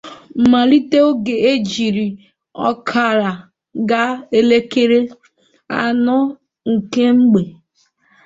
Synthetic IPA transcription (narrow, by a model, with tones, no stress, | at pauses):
m̩˨ma˨li˦te˦o˦ɡe˨e˦d͡ʒi˨ɾi˨ | ɔ̰˦kʰa˨ɾa˨ | ɡa˦e˦le˦ke˦ɾe˦ | a̰˨nɔ˦ | ŋ̩˨ke˦ŋ͡m̩˦ɡ͡be˨